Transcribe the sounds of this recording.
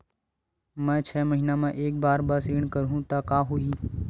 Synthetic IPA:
mɛ̃ːt͡ʃʰɛːməɦinamẽʔeːk̚baːɾbəsiːɳkəɾɦũt̪akaːɦʊiː

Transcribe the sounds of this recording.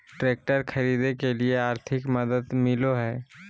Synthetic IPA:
ʈɾeːk̚ʈəɾkʰɐɾiːd̪ekelieaːɾt̪ʰɪkmɐd̪əd̪mɪloɦɛː

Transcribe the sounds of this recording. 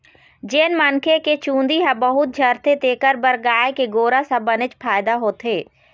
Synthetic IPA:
d͡ʒeːnmɐnkʰeket͡ʃũːnd̪iɦɛ̃bɐɦʊt̪̚d͡ʒʱɐɾt̪et̪eːkəɾbəɾɡaːekeɡoːɾasɐbənɪt͡ʃpʰaːɪd̪aɦoːt̪ɦeː

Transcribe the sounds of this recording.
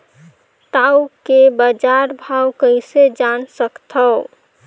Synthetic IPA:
ʈawkebəd͡ʒaɾbʱawkəɪsed͡ʒansəkt̪ʰəʊ

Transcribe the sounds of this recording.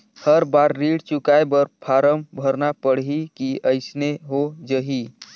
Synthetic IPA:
həɾbaɾːiɽt͡ʃukajbəɾpʰaɾəmbʱəɾnapəɽɦikiəɪsneɦod͡ʒəɦi

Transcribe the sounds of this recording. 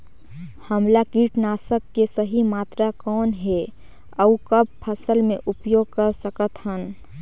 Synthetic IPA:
həmlakiːʈnaːsəkːesəɦimaːt̪ɾakɔːnɦe | əukəb̚pʰəsəlmẽʔʊpjoːɡ̚kəɾsəkət̪ɦən

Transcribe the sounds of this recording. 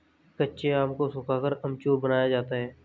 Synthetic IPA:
kətːʃeaːmkosʊkakəɾəmt͡ʃoːbənaːjad͡ʒaːt̪aɦɛː

